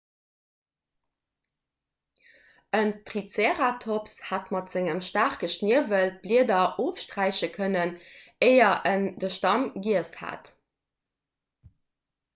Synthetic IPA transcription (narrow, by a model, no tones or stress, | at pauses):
əntʁit͡seːʁatʰopshatmɑtz̥ɪŋəmʃtaːχkəʃniəvəlt̚b̥liədɐʔoːfʃtʁæɪɕəkʰənəneɪɐʔəndəʃtɑmɡiəsha̰t